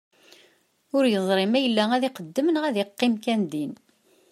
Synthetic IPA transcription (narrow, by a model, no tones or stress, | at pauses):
ʊɾjəzˤɾˤɪmæjəlːææðɪqəd̪ːəmənʁæðiqːɪmkænd̪in